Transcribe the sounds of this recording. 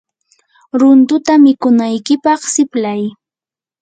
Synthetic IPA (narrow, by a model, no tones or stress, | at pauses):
ɾʊnt̪ʊt̪amɪkʊnajkɪpɑχsɪplaj